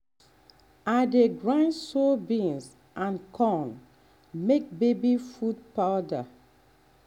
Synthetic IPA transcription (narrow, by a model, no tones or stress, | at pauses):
adeɡɹãnsobĩns | ʔãnkʰɔ̃n | mek̚bebifudpaʊda